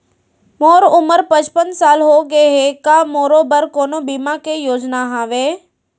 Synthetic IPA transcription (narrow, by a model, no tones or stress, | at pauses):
moːɾʊməɾpɐ̃d͡ʒpənsaːlɦoːɡeɦeːkamoːɾobəɾkoːnobiːmakeːjoːd͡ʒnaɦãːʋeː